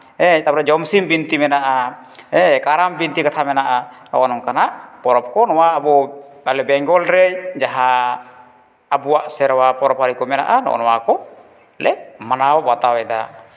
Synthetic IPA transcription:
ɛt̪apɾad͡ʒɔmsimbint̪imɛnaʔaɛkaɾambint̪ikat̪ʰamɛnaʔanɔ̰ʔɔnɔŋkanaʔpɔɾɔp̚kɔnɔwaːbɔ | alɛbɛŋɡɔlɾɛd͡ʒaɦa | buaʔsɛɾwapɔɾɔphaɾikɔmɛna̰ʔanɔ̰ʔɔ̰nɔwakɔ | lɛk̚manaɔwat̪awɛda̰

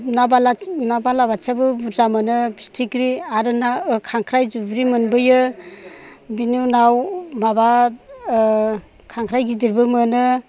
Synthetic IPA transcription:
nabalanabalabat͡ʃabɯbuzamɯnɯbistʰikɾiaɾɯnakʰaŋkʰɾajzubɾimɯnbɯjɯ | binunawmaba | kʰaŋkʰɾajɡidiɾbɯmɯnɯ

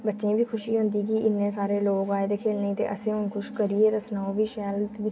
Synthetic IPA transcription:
bətːʃẽːbʱiːkʰʊʃiːɦʊ̃nd̪iːkiɪnːẽːsaːɾeːloːɡaːed̪ekʰeːlnəĩːt̪ḛːʔə̰sẽːʊnkʊʃkəɾieːɾəsnaːobʱiːʃɛlt̪i

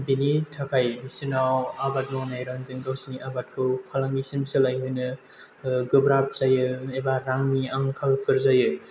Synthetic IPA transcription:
binitʰakʰajbisinawabat̚mɔwnajɾaŋziŋdawsiniʔabat̚kʰɯwpʰalaŋɡisimsɯlajɦɯjnɯ | ɡɯbɾap̚z̥ajɯebaɾaŋniaŋkʰalpʰɯɾzajɯ

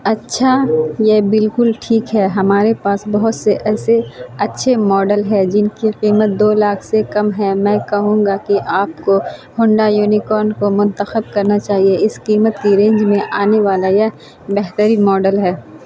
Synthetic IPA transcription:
ɐtːʃʰajebɪlkʊlʈʰiːkɦɛːɦɐmaːɾepaːsbɐɦʊt̪seʔɛːseɐtːʃʰemɔːɖəlɦɛd͡ʒɪnkiqiːmət̪̚d̪oːlaːkʰsekɐmɦɛmɛ̃ːkɐɦũːŋ̆ɡakiʔaːpkohʊ̃ɳɖajuːnikɔːɾnkomʊ̃nt̪əxəb̚kɐɾnat͡ʃaːɦieɪsqiːmət̪kiɾẽːɲd͡ʒmẽʔaːneʋaːlaje | bɛɦt̪əɾimɔːɖəlɦɛː

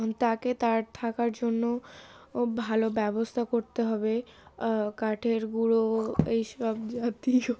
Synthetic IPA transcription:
nt̪aket̪aɾt̪ʰakaɾd͡ʑonːo | bʱalobɛbost̪ʰakoɾt̪eɦɔbe | kaʈʰeɾɡuɽoejʃɔbd͡ʑat̪i

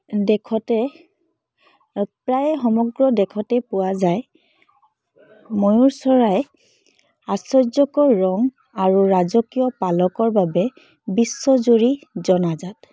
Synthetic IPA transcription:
dɛkʰɔtɛ | pɹajxɔmɔɡɹɔdɛkʰɔtɛpʊwazaj | mojuɹsɔɹaj | asɔzɔkɔɹːɔŋ | aɹuɹazɔkijɔpalɔkɔɹbabɛ | bisːɔzoɹizɔnazat

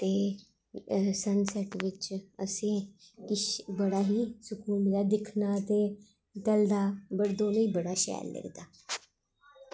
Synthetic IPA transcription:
t̪eː | sənsɛʈʋɪt͡ʃəsẽːkɪʃbəɽaːɦiːsʊkuːmd̪aːd̪ɪkʰnaːt̪eː | t̪ɛld̪aːbəɾd̪õːniːbəɽaːʃɛ̰ːllə̰ɡd̪aː

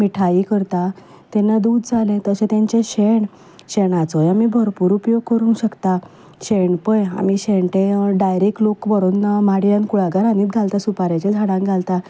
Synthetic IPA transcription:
miʈʰaikəɾt̪a | t̪ɛnːad̪uːd̪d͡zʱalẽt̪əsẽt̪ãɲt͡ɕẽɕeɳ | ɕeɳat͡sɔjamiːbʱəɾpuːɾupjoɡ̚kəɾũnɕəkt̪a | ɕeɳpəja̰miːɕeɳʈ̪ẽɖajɾek̚ʈlokbəɾonnamaɽjãnkuɽaɡaɾaniːt̪̚ɡʱalt̪asupaɾat͡ɕẽd͡zʱaɽãŋkɡʱalt̪a

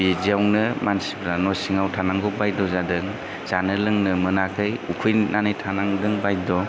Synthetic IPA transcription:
iziawnɯmansibʰɾanɔjsiŋawtʰanaŋɡɔbajdɔzadɯŋ | z̥anɯlɯŋnɯmɯnakʰɯjukʰɯjnanɯjtʰanaŋdɯŋbajdɔ

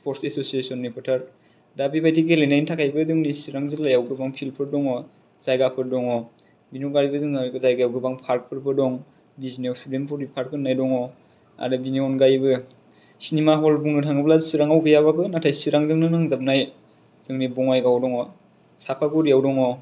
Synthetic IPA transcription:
pʰɔɾsesosiesɔnːipʰɯtʰaɾ | dabibʰajtʰiɡelenajntʰakʰajbɯzɯŋnisiɾaŋzɯŋlajawɡɯbaŋpʰilpʰɯɾdɔŋɔ | zajɡapʰɯɾdɔŋɔ | biniɔnɡaɾbɯzɯŋazajɡajawɡɯbaŋpʰaɾk̚pʰɯɾpʰɯɾdɔŋ | biznawsidempʰɔɾipʰaɾ̚kʰɯnːajdɔŋɔ | a̰ɾɯbiniɔnɡajbɯ | sinimaɦɔlbuŋnɯtʰaŋɯblasiɾaŋawɡɯjaβakʰɯnatʰajsiɾaŋzɯŋnɯŋnɯŋzap̚naj | z̥ɯŋnibɔŋajɡawdɔŋɔ | sapʰaɡɔɾijawdɔŋɔ

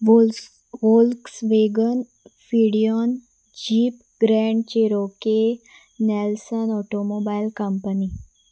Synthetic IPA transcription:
ʋolksʋeɡən | fiɽijɔn | d͡ʑiːp | ɡɾɛ̃ɳɖt͡ɕeɾoke | nɛlsənɔʈomobailkəmpəni

